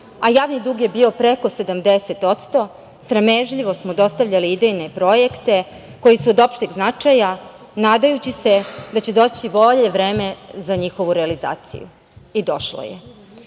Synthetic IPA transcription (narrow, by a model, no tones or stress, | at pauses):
ajaːʋnid̪uːɡje̞bio̞pɾe̞ko̞se̞d̪amd̪e̞se̞t̪o̞t̪st̪o̞ | sɾemeʒʎiʋo̞smod̪o̞st̪aʋvʎaliid̪ejne̞pɾo̞jekt̪e̞ | ko̞jisuod̪o̞pʃt̪iɡznat͡ʂaja | naːd̪ajut͡ɕise̞d̪at͡ɕe̞d̪o̞ːt͡ɕibo̞ʎe̞ʋɾe̞ːme̞zaɲixo̞ʋuɾealiza̰ːt̪sḭjṵ | id̪o̞ʃlo̰jḛ